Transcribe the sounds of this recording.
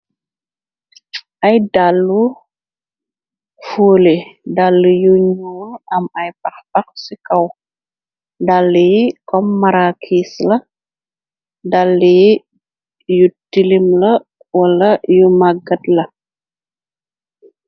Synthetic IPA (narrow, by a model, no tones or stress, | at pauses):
ʔɐjdalːu | fuːledalːijuɲuːnɐmɐjpɐxpɐk̚sikɐw | dalːikɔmːɐɾakʰiːslɐ | dalːi | jutilimlɐ | wɐlɐjumaɡɐtlɐ